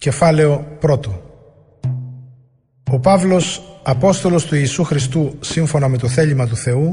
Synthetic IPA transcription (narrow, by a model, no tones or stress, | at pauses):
ce̞fɐle̞o̞pɾo̞t̪o | o̞pɐvlo̞sɐpo̞st̪o̞lo̞st̪uiːsuxɾist̪usiɱfo̞nɐme̞t̪o̞θe̞ʎimɐt̪uθe̞u